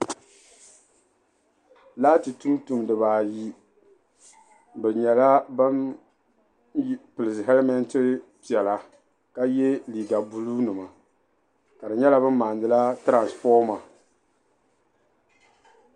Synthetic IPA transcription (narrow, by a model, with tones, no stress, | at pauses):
laː˦ti˨tu˦mtu˨mdɨ˨βaː˨ji˦ | bɨ˨ɲɛ˨la˦ba˦n˦ | pɨ˨lɨ˨sɦɛ˦lmɛ˦ntɨ˦pi˨ɛ˨la˨ | ka˦jɛ˦li˨ɡa˨bu˦lu˦nɨ˨ma˨ | ka˨dɨ˨ɲɛ˦la˦bɨ˦m˦maː˨ndɨ˦la˦tɾa˨nsfɔː˦ma˨